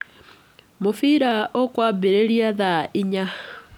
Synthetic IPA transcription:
mofiɾaʔokwaːbeɾeɾjaðaiɲa

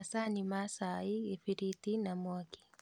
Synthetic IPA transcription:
asanimasaiɡefiɾitinamwaki̥

